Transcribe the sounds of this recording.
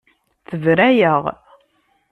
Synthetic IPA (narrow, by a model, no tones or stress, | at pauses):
θəvɾæjəʁ